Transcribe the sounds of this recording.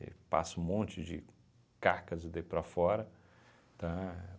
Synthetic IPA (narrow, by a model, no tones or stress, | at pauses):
ḛpa̰sʊũmõnt͡ʃɪd͡ʒɪ | kaɾkɐzd̪epɾɐfɔɾɐ | t̪ɐ̃